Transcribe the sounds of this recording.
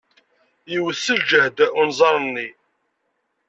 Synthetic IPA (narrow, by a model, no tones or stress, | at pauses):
jiwəθːəld͡ʒəhd̪unzˤɑɾˤənːi